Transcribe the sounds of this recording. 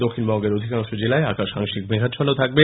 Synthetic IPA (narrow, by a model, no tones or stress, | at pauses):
d̪okʰːinbɔŋɡeɾod̪ʱikaŋʃod͡ʑelaeakaʃa̰ŋʃikmeɦaʃʰɔnot̪ʰak̚be